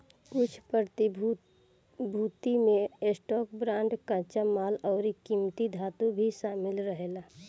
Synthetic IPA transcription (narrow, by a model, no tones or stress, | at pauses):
kʊt͡ʃʰpəɾt̪ | bʱuːt̪imẽesʈɔːk̚bɾãːɳɖkãːt͡ʃamaːlɔːɾikimt̪id̪ʱaːt̪ũbʱiʃaːmɪlɾəɦelaː